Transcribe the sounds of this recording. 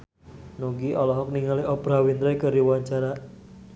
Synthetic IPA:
noɡiʔɔlɔɦɔk̚niŋaliʔɔpɾawint̪ɾajkəɾiwaɲt͡ʃaɾa

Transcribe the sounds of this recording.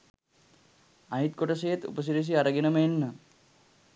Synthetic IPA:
aɦit̪̚koʈɐsejet̪ṵpəs̬iɾis̬iaɾəɡinəməenːə

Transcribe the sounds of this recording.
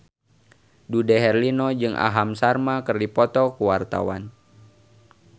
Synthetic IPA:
dudɛɦɛrlinɔd͡ʒɨŋʔa̰ɦamsarmakɨrdipɔt̪ɔkuwart̪a̰wa̰n

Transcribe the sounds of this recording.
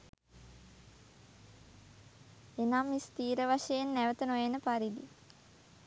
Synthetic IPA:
enamːist̪iːɾəʋaʂejenːæʋət̪ənojenəpaɾid̪i

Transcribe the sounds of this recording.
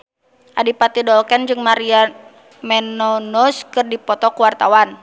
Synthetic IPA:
ʔadipat̪idɔlkɛnd͡ʒɨŋmaɾia | mɛnɔnɔskɨrdipɔt̪ɔkuwart̪awan

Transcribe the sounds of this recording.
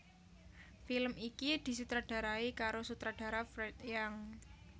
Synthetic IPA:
filmikid̪̥i̤sut̪ɾaɖ̥a̤ɾaikaɾosut̪ɾad̥a̤ɾafɾɛt̪jaŋ

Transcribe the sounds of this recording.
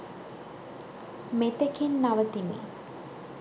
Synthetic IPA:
met̪əkinːaʋət̪imḛ

